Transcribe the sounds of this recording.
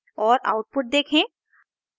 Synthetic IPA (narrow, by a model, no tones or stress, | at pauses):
ɔːɾa̰ʊʈ̚puʈ̚d̪eːkʰẽ